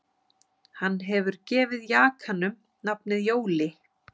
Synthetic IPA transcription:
hanːɦɛvʏɾcɛːvɪðjaːkʰanʏm | napnɪðjoːwlɪ

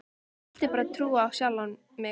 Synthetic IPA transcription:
l̥t̪ɪpaːɾat̪ʰɾuːaːwsjawlan | mɛ

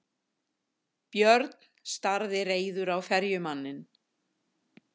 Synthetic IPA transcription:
pjœɾt̪nst̪aɾðɪreːjðʏɾawfɛɾjʏmanːɪn

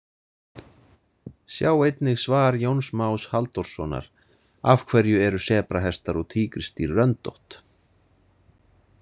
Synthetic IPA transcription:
sjaːwejt̪nɪɣsvaːɾjownsmawshalt̪ɔɾ̥sɔːna̰ɾ̥ | afkʰvɛɾjʏɛɾʏsɛːpɾaɦɛst̪aɾɔɣt̪ʰiːkɾɪst̪iɾːœnt̪o̰ht̪

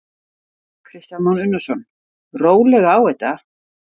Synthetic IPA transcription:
kʰɾɪst̪janmɔnʏnːʏsɔn | roːwlɛɣaaːwɛjt̪a

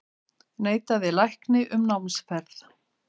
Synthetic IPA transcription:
neːjt̪aðɪlajhknɪʔʏmnawnsfɛɾθ

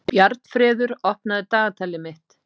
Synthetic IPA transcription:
pjaɾt̪̚n̥fɾɛːðʏɾɔhpnaðɪt̪aːɣat̪ʰaːlːɪmɪht̪

